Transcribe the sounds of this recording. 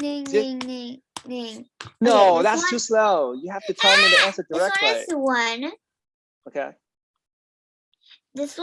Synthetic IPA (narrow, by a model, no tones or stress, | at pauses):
nɪni | nɪ̃ŋnoʊðætstʰʉsloʊjɨhæftɨtʰɑ̃niɾɨʌ̃sɨt̚d̥ə˞ɛk̚tˡlaɪəwʌ̃n | oʊkʰeɪ | ðɪs